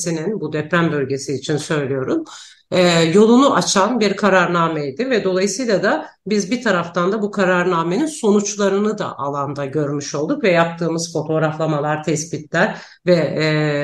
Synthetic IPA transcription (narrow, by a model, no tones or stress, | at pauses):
sininbud̪ɛpɾænbø̞lʲɟe̞siːt͡ʃʰinsø̞jlʲijo̞ɾum | ɛjo̞lˠunuʔat͡ʃʰanbiɾkʰaɾaɾnaːmɛjd̪ɪvɛd̪o̞lˠajɯsɯjlˠad̪a | bizbit̪ʰaɾaft̪ʰand̪abukʰaɾaɾnaːme̞ninso̞nut͡ʃlˠaɾɯnɯd̪a̰ʔalˠand̪aɟø̞ɾmyʃo̞lˠd̪ukvɛjap̚t̪ʰɯːmɯz̥fo̞t̪ʰo̞ɾaflˠamalˠaɾt̪ʰɛsbit̪lʲæɾ | vɛ